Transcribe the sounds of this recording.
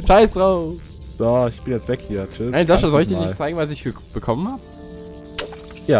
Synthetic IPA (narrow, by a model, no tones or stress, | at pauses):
ʃaɪsʁoː | d̥ɔɪçb̥ɪnjɛt͡stvɛkhiːɐt͡ʃʏnaɪnzaʃazɔlɪçdinɪçt͡saɪɡŋ̩vas̬ɪç̥ə | b̥əkʰɔmənhaːbə | jaː